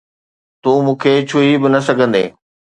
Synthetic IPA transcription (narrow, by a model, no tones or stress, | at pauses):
t̪uːmũːkʰet͡ɕʰuibɪnɐsɐɡʱə̃nd̪ḛː